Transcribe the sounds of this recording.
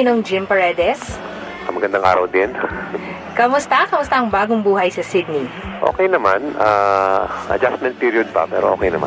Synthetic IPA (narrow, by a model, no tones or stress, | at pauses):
ɪnoŋd͡ʒɪmpɐɹɛd̪ɛs | ʔɐmɐɡɐnd̪aŋʔa̰ːɾɐwd̪ɪn | kɐmʊst̪ɐkɐmʊst̪ɐʔɐŋbaːɡoŋbuːɦɐjsɐsɪd̪̚niʔo̰kɛjnɐmanaːʔɐ̰d͡ʒasmɛ̃nt̚piːɾiod̪̚pɐ̰pɛːɾoʔoːkɛjnɐma̰n